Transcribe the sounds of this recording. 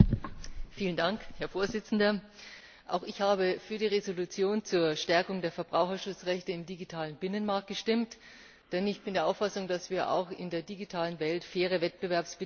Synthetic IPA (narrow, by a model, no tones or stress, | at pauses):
fiːləndaŋkhɛɐfoːɐzɪt͡sn̩dɐ | ʔa̰ʊxɪçhaːbəfyːɐdiːʁezolut͡sjoːnt͡suːɐʃtɛɐkʊŋdeːɐfɛɐbʁaʊxɐʃʊt͡sʁɛçtəɪmdiɡitʰaːlənbɪnənmaɐk̚t̚ɡ̥əʃtɪmt | d̥ɛnɪçb̥ɪndeːɐʔaʊfasʊŋd̥asv̥iːɐʔa̰ʊxɪ̰ndeːɐdiɡitʰaːlənvɛltfeːʁ̞əvɛt̚b̥əvɛɐpsb̥ə